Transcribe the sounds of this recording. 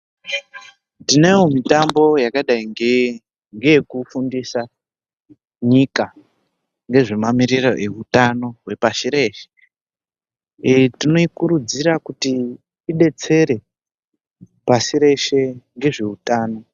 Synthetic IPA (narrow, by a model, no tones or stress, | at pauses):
dine̞jomitambo̞jakaɗaiŋɡe | ŋɡejekufundisa | ɲika | ŋɡe̞ʐemamiriroʔe̞utano̞ɦwe̞pasiɾe̞ːʃe | tino̞ikuɾud͡ziɾakutiː | ɗe̞t͡se̞ɾe̞ | pasiɾe̞ʃe̞ŋɡe̞ʐeutaːno̞